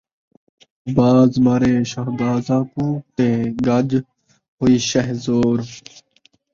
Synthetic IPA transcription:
baːzmaːɾeːʃəɦd̪aːzãːkũːt̪eːɡɐd͡ʒ | ɦoːiːʃəɦzoːɾ

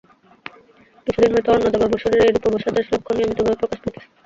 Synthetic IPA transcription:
kit͡ɕʰud̪inmot̪eonːod̪ɔbaboʃoɾeɾejɾupoboʃad̪eʃlokʰːoniomit̪obʱobepɾokaʃd̪it̪ʰe̥

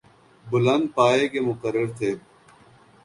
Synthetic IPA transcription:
bʊlɐ̃nd̪̚paːeːkemʊkəɾːəɾt̪ʰeː

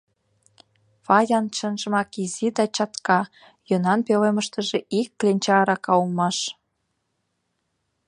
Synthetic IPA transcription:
fɑjɑnʃə̆nʒə̆mɑkizid̪ɑt͡ɕɑt̪kɑ | jɤnɑnpeleməʃt̪ə̆ʒeʔikːlʲenʲt͡ɕɑɾɑkɑumɑʃ

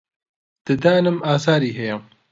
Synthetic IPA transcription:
d̪̥ɨd̪aːnɨmaːzaːɾiːɦɛjɐ

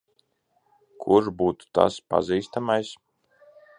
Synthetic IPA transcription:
kʰuɾbuːt̪u̥t̪a̰spa̰ziːst̪amajs

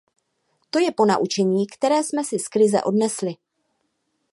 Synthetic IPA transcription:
t̪o̞jɛpo̞naʔut͡ʃɛɲiːkt̪ɛɾɛːsmɛsɪskɾɪzɛ̰ʔo̞dnɛslɪ

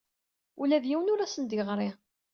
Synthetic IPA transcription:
ulæðjiwənʊɾæsənd̪əʁɾˤi

